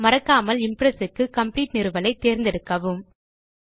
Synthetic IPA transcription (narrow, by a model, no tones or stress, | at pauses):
mɐɾɐkːaːmɐlɪmpɾɛsɯkːɯkɐmpliːʈnɪɾɯʋɐlɐɪt̪ːeːɾnd̪ɛɽɯkːɐʋɯm